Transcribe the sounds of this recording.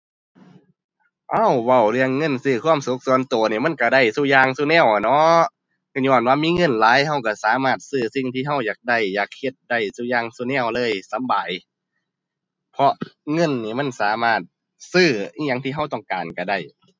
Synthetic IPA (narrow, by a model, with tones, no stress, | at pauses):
ʔa˧˥˩wwa˧˩wlɯ˧əŋːɤ˧˥˨nsɯː˧˩kʰwu˧˥˨msu˧˦k̚su˧˦ənt̪oː˨˩niː˧˩ma˧˥˨nka˧˩da˧˩jsuː˧˩jaː˧ŋsu˧˨nɛː˧˩˨wnɔ˧˥ | ka˧˩ɲɔː˧˩˨nwaː˧˨miː˧˥˨ŋɤ˧˥˨nlaː˨˦jɦa˧˨wka˧˩saː˨˦maː˧˩t̪̚sɯː˧˩si˧˨ŋt̪ʰiː˧˨ɦa˧˥˩wjaː˨˩k̚da˧˩˨jːaː˨˩k̚he˧˩t̪̚da˧˩jsuː˧˨jaː˧ŋsu˧˨nɛ˧˩˨wlɤː˧˥˨jsa˨˦mbaː˨j | pʰɔ˧ʔŋɤ˧˥˨nːiː˧˩ma˧˥˨nsaː˨˦maː˧˩t̪̚ | sɯː˧˩i˧˨ɲa˧˥˨ŋt̪ʰiː˧ɦa˧˩wt̪ɔ˧˩ŋkaː˨˩nka˧˩da˧˩j